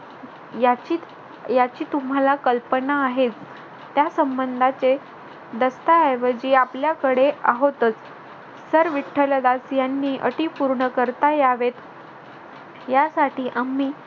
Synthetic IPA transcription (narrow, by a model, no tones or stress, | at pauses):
jat͡ɕi | jat͡ɕiːt̪um̤ɦalakəlpənaːɦet͡s | t̪jasəmbənd̪ʱat͡se | d̪əst̪aajʋəd͡ʑiːapljakəɽeaɦot̪ət͡s | səɾʋiʈʰːələd̪asjanːiːʔə̰ʈipuɾɳəkəɾt̪ajaʋet̪ | jasaʈiːʔamiː